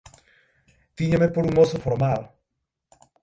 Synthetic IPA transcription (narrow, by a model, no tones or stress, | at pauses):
t̪iɲamepoɾuŋosofoɾmal